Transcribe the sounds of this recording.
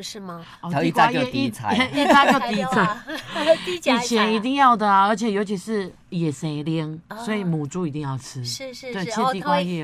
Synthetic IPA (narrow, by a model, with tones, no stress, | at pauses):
ɔ˨˩˧ii˥˧ka˧˥o˧˨˥i˧˨t͡sʰa˨˦i˥˧a˥˧kjo˥˩ʊt̪i˨˥t͡sʰa˨˧˦ɪ˧ | i˨˩t͡ɕʰjɛ˨˧˦ni˧˥t̪i˥˧ŋjɑ˥˩ʊd̪ə˨ə˧˥t͡ɕʰjɛ˨˩jo˧˥ʊt͡ɕʰi˧˥ʂɻ̩˥˩ | jɛ˨˩se˨˧˦ɪljɛ˦ŋswɔ˧˥i˨mu˨˩ʈ͡ʂu˥i˨˩t̪i˥˧ŋjɑ˥˩ʊt͡s̩ʰ˦˧t̪we˥˩ɪt͡ɕʰi˧˥˧t̪i˥˧kwa˥˧jɛ˥˧˨